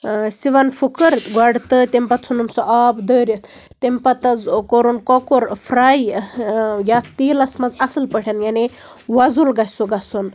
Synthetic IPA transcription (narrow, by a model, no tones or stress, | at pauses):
siʋanfʰukəɾɡaɽt̪ət̪empat̪t͡sʰunumsɔʔabd̪əɾjət̪ | t̪empat̪ɐd͡zkoɾunkɔkoɾfʰɾaj | jat̪iːlɐsmɐzɐsəlpəʈʰjanjane | ʋad͡zulɡassuɡasun